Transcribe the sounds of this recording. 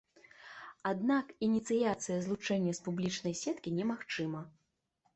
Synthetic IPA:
ad̪nakinʲit̪sɨjat̪sɨjɐzlˠut͡ʂɛnʲːɐspublʲit͡ʂnɐjsʲɛt̪kʲinʲɛmaxt͡ʂɨmɐ

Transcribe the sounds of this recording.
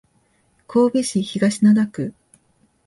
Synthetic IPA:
kʰo̞ːbʲeɕiçiɡaɕinad̪akɯ̟

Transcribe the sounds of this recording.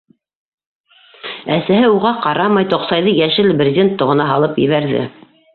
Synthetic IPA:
æsæhɘuʁɑqɑɾɑmɑjt̪ŏqsɑjðɤjæʃɘlbrʲɪzʲent̪ːŏʁɤ̆nɑɦɑlˠɤpjɘ̰̆βæɾðɘ̰

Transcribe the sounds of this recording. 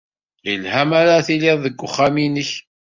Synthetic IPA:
jəlhæmaɾaθilɪðˤðəɡʷːʊχːaminəç

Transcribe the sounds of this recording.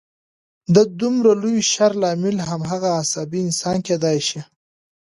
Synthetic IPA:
d̪ad̪umɾaluwʃaɾlɑmɪlɦamɦaɣaːsɑbiɪnsɑnked̪ɑjʃi

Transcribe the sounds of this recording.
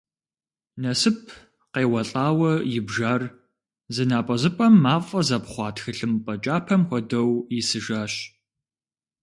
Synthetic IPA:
nɐsɨp̚ʰ | qeːwɐɬʼaːwɐjɪbʒaːr | zɨnaːpʼɐzɨpʼɐmːaːfʼɐzɐpχʷɑːtxɨɬɨmpʼɐt͡ʃʼaːpʰɐmxʷɔdɐwjɪsɨʒaːɕ

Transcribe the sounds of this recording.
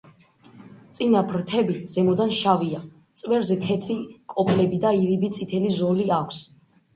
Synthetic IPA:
t̪sʼinapʰɾt̪ʰɛbiz̥ɛmɔd̪anʃavia | t̪sʼvɛɾzɛt̪ʰɛt̪ʰɾikʼɔpʰlɛbid̪aiɾibit̪sʼit̪ʰɛlizɔliakʷʰs

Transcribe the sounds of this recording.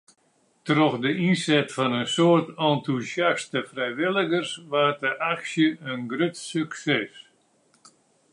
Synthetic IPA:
troxdəʔinsɛtfɔnənsoərtɔntusjastəfrɛjʋɪlˠəɡərsʋaːt̚əʔaksjəənɡrøtsyksɛs

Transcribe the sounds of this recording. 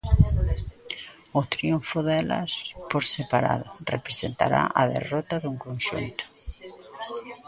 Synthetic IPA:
ʊt̪ɾiuɱfoðɛla̰spoɾsepaɾa̰ðʊrepɾesent̪a̰ɾa̰ʔaðḛrɔt̪aðuŋkonʃṵnt̪ʊ̥

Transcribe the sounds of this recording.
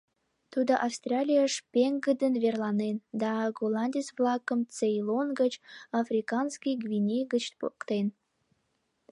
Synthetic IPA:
t̪ud̪əʔɑfst̪rʲɑlʲijɑʃpeŋɡəd̪ənβerlɑnend̪ɑɡolɑnʲd̪ʲisvlɑkəmt͡sejlonɡət͡ɕɑfɾʲikɑnskijɡvʲinʲejɡət͡ɕ̪pokt̪en

